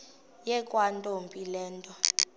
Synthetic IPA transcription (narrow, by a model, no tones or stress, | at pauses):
jɛkʼwantʼompʼilɛːntʼɔ